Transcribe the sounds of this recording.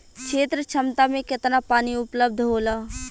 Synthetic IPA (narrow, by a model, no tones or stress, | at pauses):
kʃʰeːt̪ɾət͡ʃʰəmt̪amẽkɪt̪napaːniʊpləb̚d̪ʱɦoːlaː